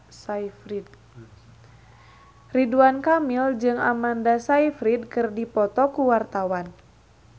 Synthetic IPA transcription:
saifɾid̪̚ | riduankamild͡ʒɨŋa̰mandasaifɾid̪̚kɨrdipɔt̪ɔkuwart̪awan

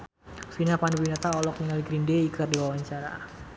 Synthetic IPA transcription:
finapanubinat̪aɔlɔk̚niŋaliɡɾindeikərdiwawaɲt͡ʃaɾa̰

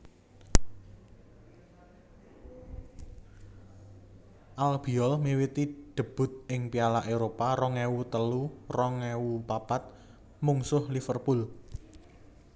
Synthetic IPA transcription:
ʔalb̥i̤ɔlmiwit̪iɖ̪̥ə̤b̥ʊ̤t̪̚ɪŋpialaʔeɾopaɾɔŋɛwut̪əlurɔŋɛwupab̥at̪̚ | muŋsʊhlifərpul

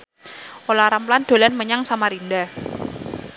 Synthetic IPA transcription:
olaɾampland̪̥o̤lanməɲaŋsamaɾinda

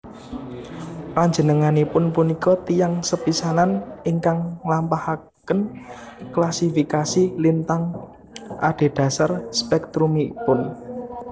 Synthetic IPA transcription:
paɲd͡ʒə̤nəŋanipʊnpunikɔt̪ijaŋsəpisananiŋkaŋlampaha | kənklasifikasilint̪aŋ | ʔa̰ɖ̥e̤ɖ̥ä̤sarspɛk̚t̪ɾumipʊn

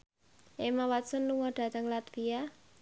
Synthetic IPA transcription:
ʔemawat̪sɔnluŋɔɖ̥a̤t̪aŋlat̪fija

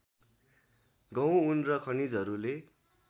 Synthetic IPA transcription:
ɡʌw̃unrʌkʰʌnid͡zɦʌɾule

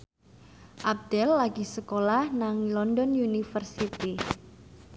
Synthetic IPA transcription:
ʔab̚d̪̥ɛlːaɡ̥isəkolahnaŋilɔndɔnunifərsit̪i

